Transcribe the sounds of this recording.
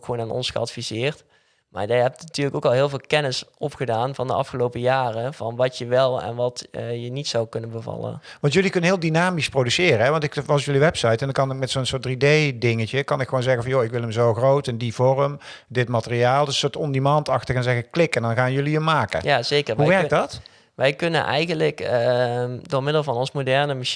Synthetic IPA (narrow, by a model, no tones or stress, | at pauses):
xəʋoːnaːnɔ̰nsxəɑ̰tfizɪːɹt | ma̰ːɹjɛjɦɛtnatyːɹləkowkɑlˠɦɪːlˠvɪːlˠkɛnɪsʔɔpχədaːnvɑndəʔɑ̰fxəlowpəjaːrəv̥ɑnʋɑtjəʋɛlˠɛ̰nʋɑtjənitsɑwkɵnənbəvɑ̰lˠə̰nʋɑntjɵlikɵnənɦɪːlˠdinaːmisprodysɪːrəɦɛʋɑntɪkʋɑs̬jɵliʋɛpsɑjtɛndɑkɑnɪk̚mɛtsownsʊːɹt̚dridejdɪŋəcəkɑnɪkxəʋownzɛɣənvɑnjoɪkʋɪləmzowxrowtɛndivɔrəm | dɪtmatəriaːlˠdəsʊːtɔndimɑːntɑxtəɣənzɛɣəklɪkɛndɑnɣaːnjɵliəmːaːkə̰jaːzejkəɹɦuʋɛɹk̚dɑt | ʋɛjkɵnə̰nʔɛ̰jɣənlək | dʊːɹmɪdəlˠvɑnɔnsmodɛɹnəmaʃ